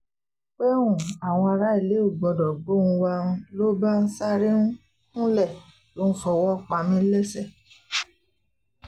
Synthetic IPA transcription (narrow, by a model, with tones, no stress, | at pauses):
k͡pe˦ũ˦˨a˨w̃ɔ̃˧a˧ɾa˦i˦˨le˨˦u˦˨ɡ͡bɔ̃˨dɔ˨ɡ͡bo˦ũ˧wa˧ũ˧lo˦ba˦n̩˦sa˦ɾẽ˦ | ũ˦lɛ˦˨ | to˦n̩˦fɔ˧wɔ˦˨k͡pa˧mĩ˦lɛ˦sɛ˦˨